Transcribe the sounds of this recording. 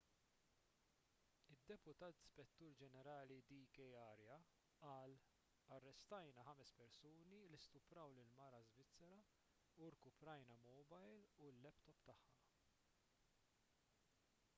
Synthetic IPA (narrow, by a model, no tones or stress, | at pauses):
ɪd̪ːɛpʊt̪ɐːt̪spɛt̪ːuːɾd͡ʒɛnɛɾɐːlid̪ikɛjɐɾjɐ | ʔɐːl | ɐrːɛst̪ɐjnɐħɐmɛspɛɾsuːnilist̪ʊpɾɐwlɪlmɐɾɐzvɪt͡sːɛɾɐ | uɾkʊpɾɐjnɐmɔbɐjlulːɛpt̪ɔpt̪ɐħːɐ